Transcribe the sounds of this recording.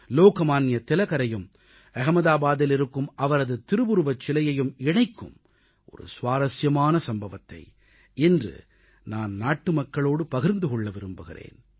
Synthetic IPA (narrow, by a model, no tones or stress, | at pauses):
loːkɐmaːnjɐt̪ɪlɐkɐɾɐjɯm | ɛɣɐmɐðaːbaːðɪlɪɾɯkːɯmʔɐʋɐɾɐðɯt̪ɪɾɯbɯɾɯʋɐt͡ʃːɪlɐjɐjɯmɪɳɐɪkːɯ̰m | ʔɔ̰ɾɯ̰sʋaːɾɐsjɐmaːnɐsɐmbɐʋɐt̪ːɐ̰ɪ | ɛndrɯ̰ | naːnnaːʈːɯmɐkːɐɭoːɽɯpɐɣɪɾnd̪ɯkɔɭːɐʋɪɾɯmbɯɣɪ̰rḛːn